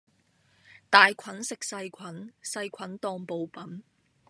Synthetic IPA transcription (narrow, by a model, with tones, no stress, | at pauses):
t̪aː˨jkʷʰɐ˨˥nsɪ˨k̚sɐ˧jkʷʰɐ˨˥nsɐ˧jkʷʰɐ˨˥nt̪ɔː˧ŋpo˨˧wpɐ˨˥n